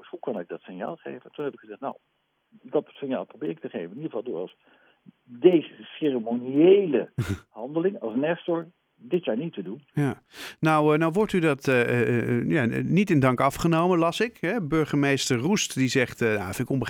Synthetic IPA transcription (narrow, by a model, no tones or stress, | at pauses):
shukɑnɪɡ̚dɑtsɪnja̰ːlˠχḛjvəntunɦɛbɪkχəzɛχtna̰w | dɑtsɪnja̰ːlˠprobɪːɹɪktəχejvənɪnidʁəvɑlˠdʊ̰ːɹɑ̰s | dejzəserəmoniejləhɑndəlɪŋɑlˠsnɛstɔɹ | dɪtjaːɹnitədunjanawnawʋɔɹtydɑtə | janitɪndɑŋkɑfχənowmənlɑsɪkɦɛbøɹχəmejstərrustdizɛχtənafɪkɔmbə